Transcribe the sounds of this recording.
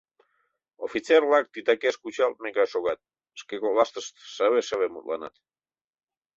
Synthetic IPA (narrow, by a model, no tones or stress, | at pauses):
ofit͡serlɑk̚t̪it̪ɑkeʃkut͡ɕɑlt̪̚mekɑʃoɣɑt̪̚ | əʃkekolɑst̪əʃt̪ʃəβeʃəβemṵt̪lɑ̰nɑ̰t̪